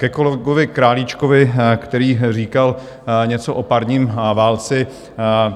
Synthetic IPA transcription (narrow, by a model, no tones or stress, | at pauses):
kɛkoloɡovɪkɾaːlit͡ʃkovɪkt̪ɛɾiːriːkal | ɲɛt͡soʔopaɾɲiːmvaːlt͡sɛ